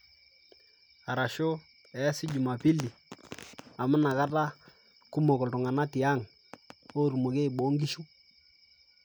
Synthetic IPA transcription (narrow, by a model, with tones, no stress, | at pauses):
a˨ɾa˨ʃo˦ | ɛ˨˦sɪ˦d͡ʒu˨ma˨pi˦li˨ | a˨mʊ˦na˨ka˦ta˦ | kʊ˦mɔ˨kɔ˨ltʊ˨ŋa˨na˦tɪ˨a˦˨ŋ | o˦ɾu˨mo˨ke˦i˨ɓo˨˦ŋɡi˦ʃu˦